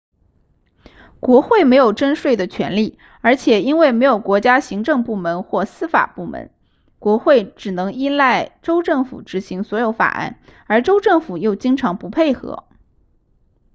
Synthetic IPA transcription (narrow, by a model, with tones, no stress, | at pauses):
kwɔ˧˥xwe˥˩ɪme˧˥ɪjo˨˩ʊʈ͡ʂə˥nʂwe˥˩ɪd̪ə˩t͡ɕʰɥɛ̰˧˥nli˥˩ | ə˞˧˥t͡ɕʰjɛ˨˩i˥nwe˥˩ɪme˧˥ɪjo˨˩ʊkwɔ˧˥t͡ɕja˥ɕi˧˥ŋʈ͡ʂɤ˥˧ŋpu˥˩mə˧˥nxwɔ˥˩sɹ̩˥fa̰˨˩pu˥˩mə̰˧˥n | kwɔ˧˥xwe˥˩ɪʈ͡ʂɻ̩˨˩nɤ˧˥ŋi˥nla˥˩ɪʈ͡ʂo˥ʊʈ͡ʂɤ˥˩ŋfṵ˨˩ʈ͡ʂɻ̩˧˥ɕi˧˥ŋswɔ˧˥jo˧˥ʊfa̰˨˩ʔa̰˥˩nə˞˧˥ʈ͡ʂo˥ʊʈ͡ʂɤ˥˩ŋfu˨˩jo˥˩ʊt͡ɕi˥ŋʈ͡ʂʰɑ˧˥ŋpu˧˥pʰe˥˩ɪxɤ̰˧˥